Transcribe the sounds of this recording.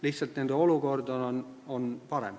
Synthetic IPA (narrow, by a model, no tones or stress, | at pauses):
liht̪sɑlt̪nend̪eo̞luko̞rd̪onononpɑɾḛm